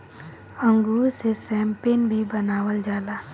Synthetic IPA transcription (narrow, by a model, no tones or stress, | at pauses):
əŋɡuːɾsesɛːmpenbʱibənaːwəld͡ʒaːlaː